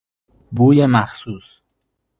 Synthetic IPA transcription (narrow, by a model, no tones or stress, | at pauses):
buːjemæxsuːs